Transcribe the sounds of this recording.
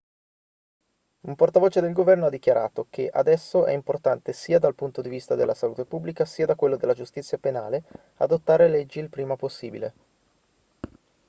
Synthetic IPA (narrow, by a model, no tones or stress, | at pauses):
umport̪avoːt͡ʃed̪elɡovɛrnoad̪ːik̟jaɾʔa̰ːt̪ok̟ʰeʔa̰d̪ɛsːoʔɛ̰import̪ant̪esiːad̪alpunt̪od̪ivist̪ad̪ḛlːasaluːt̪epubːlikasiːad̪akwelːod̪elːad͡ʒust̪it̪sːjapena̰ːle | a̰d̪ot̪ːaːɾelɛd͡ʒːilpɾiːmaposːiːbilḛ